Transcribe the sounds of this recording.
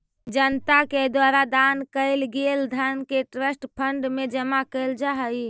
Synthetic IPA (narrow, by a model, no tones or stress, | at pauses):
d͡ʒənt̪aked̪waɾad̪ankəɪlɡeld̪ʱankeʈɾəsʈpʰəɳɖmed͡ʒəmakəɪld͡ʒaɦəj